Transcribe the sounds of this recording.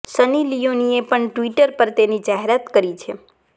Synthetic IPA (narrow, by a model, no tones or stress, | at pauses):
sənilijoniepəɳʈʋiʈəɾpəɾt̪enid͡ʒaɦeɾat̪kəɾit͡ʃʰe